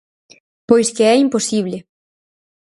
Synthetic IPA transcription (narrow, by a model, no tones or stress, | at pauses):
pojskeɛimposiβ̞le